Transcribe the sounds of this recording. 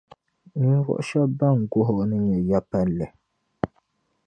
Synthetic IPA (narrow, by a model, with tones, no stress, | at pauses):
ɲ̩˦ɾɔ̰˨ʔʃɛ˦ba˦˨ŋ̩˨ɡo˦ɦɔ˨nɨ˦ɲɛ˨ja˦pa˦lɛ˨